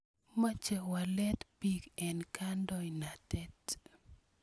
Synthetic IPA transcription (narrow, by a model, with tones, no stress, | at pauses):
ma˦t͡ʃɛ˨wa˨lɛ˦t̪pi˨kɛ˨nkandɔ˨jnatɛt